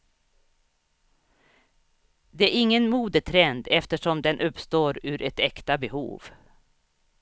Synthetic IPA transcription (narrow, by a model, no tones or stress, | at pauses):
d̪ɛæɾɪŋːənmuːd̪ət̪ʰɾɛnd̪ɛft̪əʂɔmd̪ɛnʔɵpst̪oːɾʉ̟ːɾʔɛt̪ɛkt̪abɛhṵːv